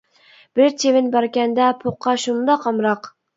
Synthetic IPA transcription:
b̥ɪɾt͡ʃʰevɪnbɑɾkʲɛnd̪ɛpʰoqʰːɑʃund̪ɑqʰɑmɾɑq

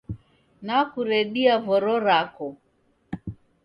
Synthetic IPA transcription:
nakuɾɛɗiavɔɾɔɾakɔ

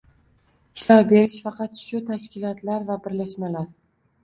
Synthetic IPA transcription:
ɪʃlɒwbe̞ɾɪʃfɑqʰɑt̪̚ʃʊt̪ʰaʃkʲɪlɒt̪laɾvabɪɾlaʃmalaɾ

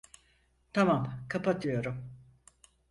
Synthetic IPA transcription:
t̪ʰamamkʰapat̪ʰɯjo̞ɾum

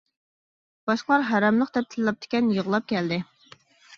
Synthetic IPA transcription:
b̥ɑʃqlˠɑɾɦæɾɛmlˠəqd̪ɛp̚t̪ʰɪllˠɑp̚t̪ʰɪ̥kʲɛnjəʁlˠɑp̚kʲɛld̪ɪ

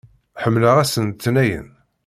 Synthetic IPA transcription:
ħəmːləʁæsənt̪ːnæjə̰n

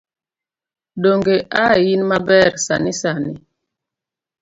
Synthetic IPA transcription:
ɗoŋɡeʔajinmabɛɾsa̰nisanḭ

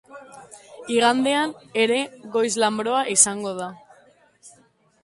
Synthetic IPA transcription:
iɣand̪e̞ane̞ɾe̞ɣo̞jzlambɾo̞aʔisaŋɡo̞ð̞a

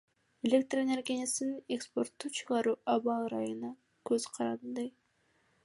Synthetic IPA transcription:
elʲek̚t̪rene̞rɡʲnʲasnnekspo̞rt̪ːut͡ʃʰɯʁɑɾuːʔɑβɑlˠɾɑjɯnɑ | køz̥qʰɑɾɑnd̪ɯj

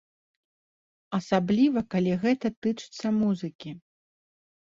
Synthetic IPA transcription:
ɐsablʲivɐkalʲiɣɛt̪ɐt̪ɨt͡ʂɨ̥t̪sːɐmuzɨkʲi

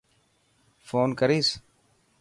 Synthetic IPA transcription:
foːnkəɾiːs

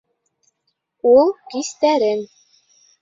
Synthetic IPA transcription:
ulˠkist̪æɾɘn

